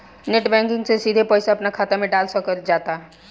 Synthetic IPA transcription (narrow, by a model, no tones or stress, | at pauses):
neʈbɛ̃ŋkɪ̃ŋɡsesid̪ʱepəɪsaɐpnakʰaːt̪emẽɖaːlsəkəɾd͡ʒaːt̪a